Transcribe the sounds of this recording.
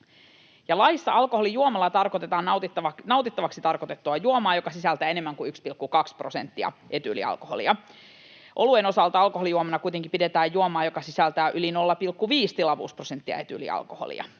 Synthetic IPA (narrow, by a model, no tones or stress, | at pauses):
jɑlɑjisːɑɑlkoholijuomɑlːɑt̪ɑrkot̪et̪ɑːnɑt̪it̪ːɑʋɑnɑwt̪it̪ːɑʋɑksit̪ɑrkot̪e̞t̪ːuɑjuomɑːjo̞kɑsisælt̪æe̞ne̞mːæŋkuykspilkːukɑksprosent̪ːiɑ̰ʔe̞t̪ylḭɑ̰lkoholḭɑ | ʔo̞lueno̞sɑlt̪ɑɑlkoɦo̞lijuomɑnɑkuit̪eŋkipidet̪æːjjuomɑːjo̞kɑsisælt̪æʔylino̞lːɑpilkːuʋiːst̪ilɑʋṵːsprosent̪ːiɑ̰e̞t̪ylḭɑ̰lkoho̰lḭɑ̰